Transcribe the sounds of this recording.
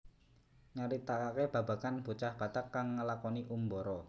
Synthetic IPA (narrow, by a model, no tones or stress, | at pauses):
ŋəɾit̪akakeb̥ä̤ba̤kanb̥ut͡ʃahb̥a̤t̪akːaŋːəlakɔniʔumbɔɾɔ